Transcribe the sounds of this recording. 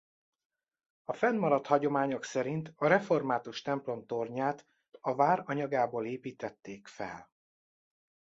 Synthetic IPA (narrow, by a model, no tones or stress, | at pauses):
ɒfɛnmɒɾɒt̪hɒɟo̞maːɲo̞ksɛɾint̪ɒɾɛfo̞rmaːt̪uʃt̪ɛmplo̞mt̪o̞rɲaːt̪ | ɒvaːɾɒɲɒɡaːboːleːpiːt̪ɛt̪ːeːkfɛ̰l